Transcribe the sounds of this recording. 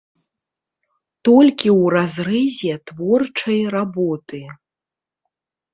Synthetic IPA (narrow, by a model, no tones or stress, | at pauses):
t̪ɔlʲkʲiwrazɾɨzʲɛt̪vɔrt͡ʂɐjrabɔt̪ɨ